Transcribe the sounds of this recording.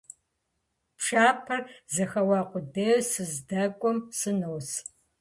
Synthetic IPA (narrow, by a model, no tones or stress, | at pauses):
pʂaːpʰɐrzɐxɐwɑːqʷʼʊdeːsɨzdɐkʷʼɔmsɨnowːs